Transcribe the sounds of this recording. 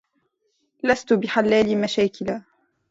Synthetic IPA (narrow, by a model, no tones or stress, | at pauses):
last̪ʊbɪħalːaːlɪmaʃaːkɪlaː